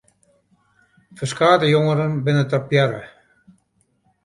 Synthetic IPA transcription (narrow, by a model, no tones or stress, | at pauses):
fəskaːd̪əjoŋəɾənbɪnət̪apjɛɾə̰